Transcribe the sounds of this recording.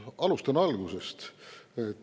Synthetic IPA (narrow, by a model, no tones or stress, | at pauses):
ɑlust̪ɑnuɑlɡuse̞st̪et̪ːˑ